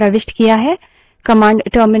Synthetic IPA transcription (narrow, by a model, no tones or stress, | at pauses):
ɾɐʋɪʃʈkijaɦɛ | kɐmãːɳɖʈoːɾmɪ